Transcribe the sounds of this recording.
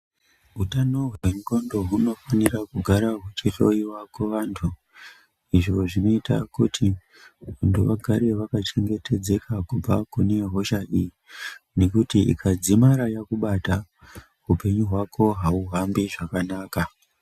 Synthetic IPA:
ɦutano̞ɦweŋɡo̞ndo̞ɦuno̞fanirakuɡʱaɾaɦwet͡ʃiro̞iwakweʋaːntʰu | iʐo̞ʐino̞itʰa̰kutʰi | ʋantʰuʋaɡʱaɾe̞ʋakat͡ʃe̞ŋɡe̞tʰe̞d͡ze̞kʰakub͡vakune̞ɦo̞ʃaʔijine̞kutiḭkʰad͡zimaɾajakuɓata | upe̞ɲuɦwakʰo̞ɦauɦambiʐakanaːka

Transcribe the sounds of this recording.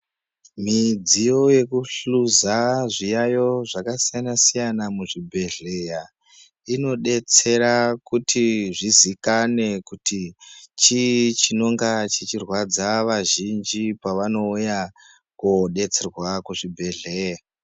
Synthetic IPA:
mid͡zijo̞je̞kuɬuzaʐijajo̞ʐakasijanasijanamuʐibʱe̞ɮeja | ino̞ɗe̞t͡se̞ɾakutʰiʐizikane̞kutit͡ʃit͡ʃino̞ŋɡat͡ʃit͡ʃirwad͡zaʋaʒind͡ʒipaʋano̞uja | koɗe̞t͡se̞rwakuʐibʱeɮe̞ja

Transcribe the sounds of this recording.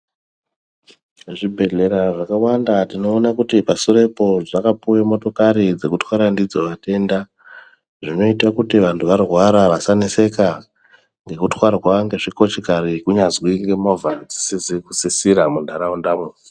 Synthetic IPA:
ʐibʱe̞ɮe̞ɾaʐakawandatino̞ːnakutipasuɾe̞po̞ʐakapuwemo̞to̞kaɾid͡ze̞kutʰwaɾandid͡zo̞ʋate̞ːnda | ʐino̞itakutiʋantʰuʋarwaɾaʋasanise̞ka | ŋɡe̞kutxwarwaŋɡe̞ʐiko̞t͡ʃekaɾikuɲazwiŋɡe̞movʱad͡zisiziku̥sisiɾamundʱaɾaundamui

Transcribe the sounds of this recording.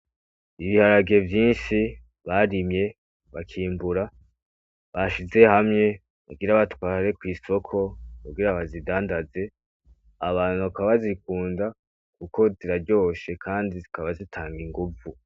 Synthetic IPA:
iβihaɾaɡe̞vjiːnʃi | βaɾimje̞ | βakʰiːmbuɾa | βaʃize̞hamŋe̞ | βa̰ɡiɾaβatwaːɾe̞kwiːso̞kʰo̞kuɡiɾaβazidaːndaze̞ | aβaːn̥huakaβazik̚uːnda | kuko̞ziɾaɾɟo̞ːʃe̞kʰaːndizikaβazitʰaːŋɡiŋɡuvu

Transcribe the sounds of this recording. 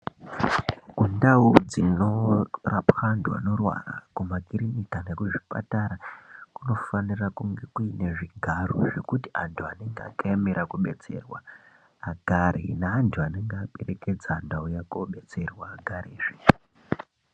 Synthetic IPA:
ɡ̥undaud͡zinorapxandwa̰no̞rwa̰ra̰kumakiɾinikanekuʐi̥pa̰taɾakuno̞fanirakuŋɡe̞kuineʐiɡʱaro̰ʐe̞kutiantʰuane̞ŋɡea̰kajamiɾakuɓe̞̰t͡se̞̰rwaː | ɡʱaɾḭnaːntʰuane̞ŋɡaɓe̞re̞ke̞d͡zandaujakoɓe̞t͡se̞rwaːɡʱaɾiːʐ̥i̥

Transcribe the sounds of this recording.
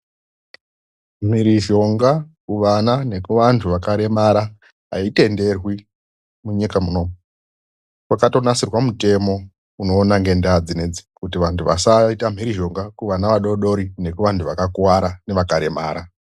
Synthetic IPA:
m̤iɾiʒo̞ŋɡakuʋanane̞kuʋantʰuʋakaɾe̞maɾa | ɦa̰ite̞nde̞rwi | muɲikamuno̞mu | kwakato̞nasirwamute̞mo̞ | uno̞ːnaŋɡe̞ndad͡zined͡zi̥kutiʋantʰuʋa̰saitam̤iɾiʒo̞ŋɡakuʋanaʋaɗo̞ɗo̞ɾine̞kuʋantʰuʋakakwaɾane̞ʋakaɾe̞ma̰ːɾa

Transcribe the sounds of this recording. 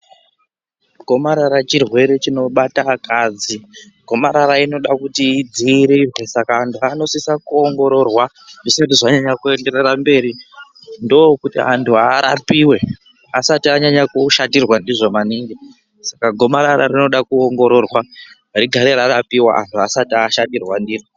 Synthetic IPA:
ɡʱo̞maɾaɾat͡ʃirwe̞ɾe̞t͡ʃino̞ɓatakʰaːd͡zi | ɡ̥ʱo̞maɾaɾaino̞ɗakutiːd͡ziɾirwe̞sakaːntʰuano̞sisakuoŋɡo̞ɾo̞rwa | ʐisatiʐaɲaɲakue̞nde̞ɾerambe̞ːɾi | ndo̞kutḭantʰuaɾa̰piwe̞ | asatiaɲaɲakuʃatirwandiʐo̞maniŋɡe | sakaɡʱo̞maɾaɾa̰rino̞ɗakuoŋɡo̞ɾo̞rwa | aɾiɡʱaɾeɾarapiwa̰ʔa̰ntʰuasatiaʃatirwandire

